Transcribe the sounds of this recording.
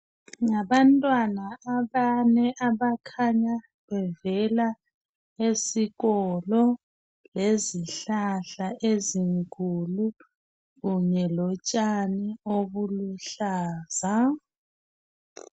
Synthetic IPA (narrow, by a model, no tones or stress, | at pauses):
ŋaβantʼwanaaβanɛʔaβakʰaɲa | βɛvɛla | esiɣɔlɔ | leziɬaɬaʔeziŋkʰʼulu | ɣuɲɛlɔt͡ʃʼanioβuluɬaːza